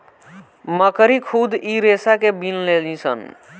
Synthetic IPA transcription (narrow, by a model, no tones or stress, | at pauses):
məkəɾikʰud̪ʱiɾesakebinlelisə̰n